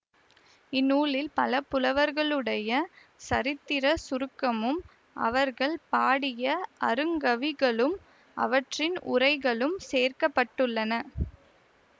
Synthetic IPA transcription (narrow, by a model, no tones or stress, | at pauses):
ɪnːuːlɪlpɐlɐpʊlɐʋɐɾɣɐɭɯɽɐjɐ | sɐɾɪt̪ːɪɾɐsʊɾɯkːɐmɯm | ʔɐ̰ʋɐɾɣɐɭpaːɽɪjɐʔɐɾɯŋɡɐʋɪɣɐɭɯm | ʔɐ̰ʋɐʈrɪnʔʊ̰rɐɪɣɐɭɯmseːrkɐpːɐʈːɯɭːɐnɐ